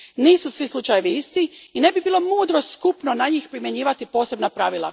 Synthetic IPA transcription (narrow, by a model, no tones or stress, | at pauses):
niːsusʋislˠut͡ʃajeʋiist̪iine̞bibiːlˠo̞muːd̪ɾo̞skupnonaɲiːxpɾimje̞ɲiːʋat̪ipo̞ːse̞bnapɾaʋilˠa̰